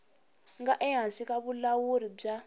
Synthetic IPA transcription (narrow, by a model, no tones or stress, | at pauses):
ŋɡaʔɛɦansikaβulawuɾib͡ʐa